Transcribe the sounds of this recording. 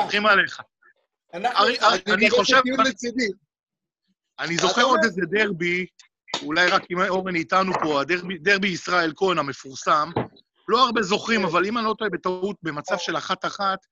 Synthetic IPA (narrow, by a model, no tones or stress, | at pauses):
oχimale̞χa | aʁiaaniχo̞ʃevid̪i | anizo̞χe̞ʁo̞d̪ezed̪e̞ʁbi | ulajʁakimo̞ʁenit̪anupo̞ad̪eʁbid̪e̞ʁbiːsʁae̞lko̞ename̞fuʁsam | lo̞aʁbe̞zo̞χʁimavalimanlo̞t̪oebe̞t̪aut̪̚be̞mat͡savʃe̞laχat̪aχat̪